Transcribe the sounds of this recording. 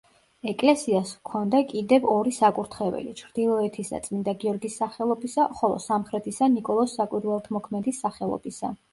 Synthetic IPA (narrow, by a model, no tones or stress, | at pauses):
ɛkʼlɛsiaskʰɔnd̪akʼid̪ɛvɔɾisakʼuɾt̪ʰχɛvɛ̰lit͡ʃʰɾd̪̥ilˠɔɛt̪ʰisa̰t̪sʼmind̪aɡiɔɾɡisːaχɛlˠɔbisaχɔlˠɔ̰samχɾɛt̪ʰisanikʼɔlˠɔsːakʼwiɾwɛlˠt̪ʰmɔkʰmɛd̪isːaχɛlˠɔ̰bisa̰